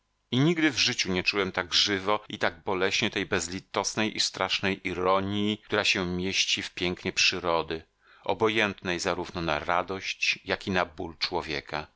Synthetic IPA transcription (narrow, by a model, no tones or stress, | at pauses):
iɲiɡd̪ɘvʐɘt͡ɕuɲɛt͡ʂuwɛmt̪aɡʐɘvɔit̪aɡ̚bɔlɛɕɲɛt̪ɛjbɛzlʲit̪ːɔsnɛjʔist̪ɾaʂnɛjʔiɾɔɲit̪uɾaɕɛmʲjeɕt͡ɕifpʲjɛŋkɲɛpʂɘɾɔd̪ɘ | ʔɔ̰bɔjɛnt̪nɛjzaɾuvnɔna̰ɾad̪ɔɕt͡ɕjakʲinabult͡ʂwɔvʲjɛ̰ka